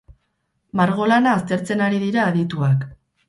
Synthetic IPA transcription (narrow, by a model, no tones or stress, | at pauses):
maɾɣo̞lanaːst̪e̞ɾt͡se̞naɾiðiɾaːðit̪uak